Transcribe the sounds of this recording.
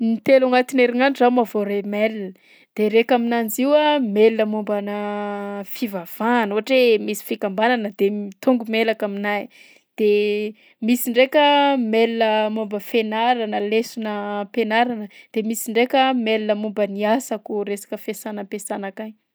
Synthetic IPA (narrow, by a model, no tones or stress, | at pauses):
nit̪elaŋat̪ineɾiŋanizamavoɾemelinə | d̪̥eɾekaminand͡ziwamelinəmumbanə | fivav̥anuɦaʈ͡ʂemisi̥fikambananəd̪̥emit̪uŋɡumelakaminaj | d̪̥e | misiɳɖ͡ʐekʲəmelinəmumbəfenaɾanəlesunəpenaɾanəd̪̥emisiɳɖ͡ʐekʲəmelinəmumbəniasakuɾesḁkəfesanəpesanakaj